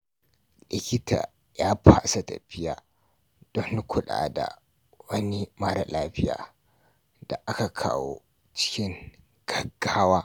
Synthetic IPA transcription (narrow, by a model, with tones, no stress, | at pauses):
lɪ˨kʲɪ˦tʰa̰ː˨ | jaː˦pʰa˦˨sa˨tɐ̰˨ɸɪ˦jaː˨ | d̥ɔ˦nːu˦kʷʰʊ˦ɗa̰ː˨da̰˨ | wɐ˦ni˦ma˦ɽa˨laː˦ɸɪ˦ja̰ː˨ | d̥a˨ʔa˦ka˨kʰa̰ː˦wo̰˦ | t͡ʃɪ̥˦kʲɪ˦ŋ | ɡ̥ɐ˦ɡːaː˦waː˦